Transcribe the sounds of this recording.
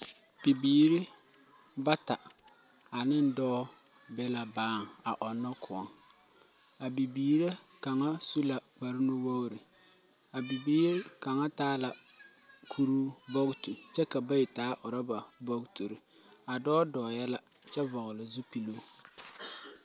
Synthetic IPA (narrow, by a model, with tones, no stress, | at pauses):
b̥i˨biː˦ɾɪ˦ | ba˦ta˨ | a˨nɪ˦n˦dɔː˦ | bɛ˦la˨baː˦˨ŋ˨a̰˨ʔɔ˨nːɔ˦kʰʊ˨ɔ̰˨ŋ | a˨bi˨biː˨ɾe˦ka˨ŋa˦su˦la˨k͡pa˨ɾɪ˦no˦wo˦ɣɾɪ˨ | a˨bi˨biː˦ɾɪ˦ka˨ŋa˦taː˦la˨ | kʰu˦ɾu˦bɔ˦ɣtu˨t͡ʃɛ˦ka˨ba˦jɪ˨taː˨˦ʔʊ˨ɾa˦ba˨bɔ˦ɡtu˨ɾɪ˨ | a˨dɔː˦dɔː˨jɛ˦la˦ | t͡ʃɛ˦vɔ˨ɣlɪ˨zu˦pi˨lo˦